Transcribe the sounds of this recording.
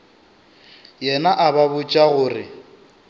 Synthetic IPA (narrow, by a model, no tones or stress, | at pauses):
jɛnaʔababʊt͡ʃʼaɣʊːrɪ